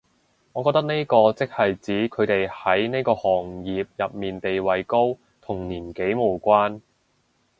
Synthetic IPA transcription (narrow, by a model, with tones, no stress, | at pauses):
ŋɔː˨˧kɔː˧t̪ɐ˥k̚ne˥jkɔː˧t͡sɪ˥k̚hɐ˨jt͡siː˨˥kʰɵ˨˧ɥt̪e˨jhɐ˨˥jne˥jkɔː˧hɔː˨˩ŋjiː˨p̚jɐ˨p̚miː˨nt̪e˨jwɐ˨jko˥w | t̪ʰʊ˨˩ŋniː˨˩nke˨˥jmo˨˩wkʷaː˥n